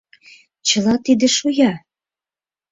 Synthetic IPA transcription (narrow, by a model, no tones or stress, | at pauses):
t͡ɕə̆lɑt̪id̪ĕʃujɑ